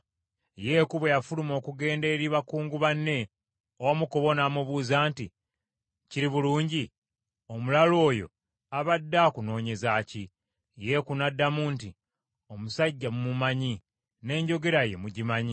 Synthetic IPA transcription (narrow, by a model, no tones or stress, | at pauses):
je̞ːkuβwe̞jafulumo̞ːkuɡe̞ːnde̞ːɾiβakuːŋɡuβanːe̞ | owamuko̞βo̞naːmuβuːzaːnti | ciɾiβuluːɲɟi | omulalo̞ːjo̞̰ | aβadːakuno̞ːɲe̞zaci | je̞kunadːamunti | o̞musaɟːamumumaɲi | ne̞ːɲɟo̞ɡe̞ɾaje̞muɟimaɲi